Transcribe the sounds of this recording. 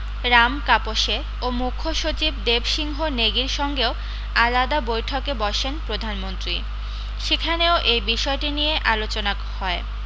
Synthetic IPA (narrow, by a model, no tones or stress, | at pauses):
ɾamkapoʃe | omukʰoʃot͡ɕibd̪ebʃiŋɦoneɡiɾʃɔŋɡeo | alad̪abojʈʰokebɔʃenpɾod̪ʱanmont̪ɾi | ʃekʰaneoʔejbiʃɔeʈinijeʔalot͡ɕona | hɔe